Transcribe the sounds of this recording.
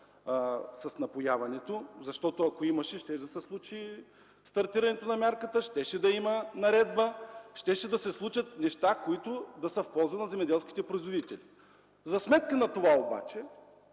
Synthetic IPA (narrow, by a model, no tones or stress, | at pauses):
sɐsnɐpojavɐnɛt̪ozɐʃt̪ɔt̪ʊɐkoimɐʃɛʃt̪ɛʒd̪ɐsɛslˠut͡ʃi | st̪ɐɾt̪iɾɐnɛt̪onɐmʲjaɾkət̪əʃt̪ɛʃɛd̪ɐimɐnɐɾɛd̪̚bəʃt̪ɛʃɛd̪ɐsɛslˠut͡ʃɐt̪nɛʃt̪akoit̪ʊd̪ɐsɐfpɔlˠzvɐt̪nɐzɛmɛd̪ɛlˠskʲi̥t̪ɛpɾoizvod̪it̪ɛli | zɐsmɛt̪kənɐt̪ovaoba̰t͡ʃɛ